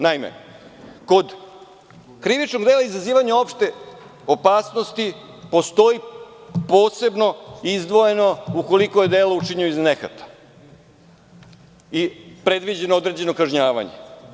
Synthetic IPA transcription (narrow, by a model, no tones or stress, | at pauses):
naimḛ | ko̞d̪ | kɾiʋit͡ʃno̞ɡd̪e̞ːlˠaizaziːʋaɲao̞pʃt̪e̞ | opaːsno̞st̪i | po̞st̪o̞ipo̞ːse̞bno̞izd̪ʋo̞je̞no̞uko̞liko̞je̞d̪eːlout͡ʂiɲioiznexa̰t̪ḁ | ipɾe̞d̪ʋid͡ʑe̞nood̪ɾe̞d͡ʑe̞no̞kaʒɲaːʋa̰ɲḛ